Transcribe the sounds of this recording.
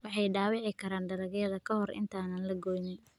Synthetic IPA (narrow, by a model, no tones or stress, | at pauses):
wɑħɑjɖaːwɑʕɪkʰɐɾaːnɖɐɾɐɣɐðɐkʰɐhɔrɪ̰nt̪ʰaːnɐnlɐɡɔːjnɛj